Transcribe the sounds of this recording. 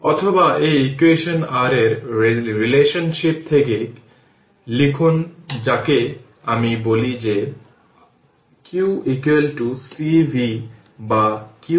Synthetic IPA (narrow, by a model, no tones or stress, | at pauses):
ɔt̪ʰobaʔeikueʃonaɾeɾɾileʃonʃip̚t̪ʰeke | likʰund͡ʑake | amibolid͡ʑe | kiwʔikelʈusibʱi | baki